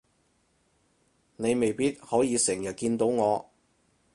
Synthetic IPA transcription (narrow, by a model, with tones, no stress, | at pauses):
ne˨˧jme˨jpiː˥t̚hɔː˨˥jiː˨˧sɪ˨˩ŋjɐ˨t̚kiː˧nt̪o˨˥wŋɔː˨˧